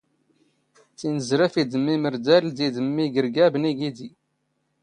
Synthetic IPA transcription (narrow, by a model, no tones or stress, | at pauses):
t͡sːinəzɾæfid̪əmːiməɾd̪æld̪id̪əmːiɡəɾɡæbniɡid̪i